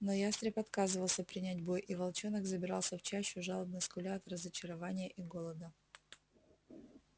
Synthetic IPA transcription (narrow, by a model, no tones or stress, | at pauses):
nojast̪ɾʲɪpɐt̪kazɨvəlˠsʲəpɾʲɪnʲætʲbo̞jʔivɐlˠt͡ɕonəkzəbʲɪɾɑ̰lˠsʲəft͡ɕæɕːʊʐalˠəbnɨjskʊlʲaɐt̪rəzət͡ɕɪɾɐvanʲɪjəʔiɡo̞lˠəd̪ə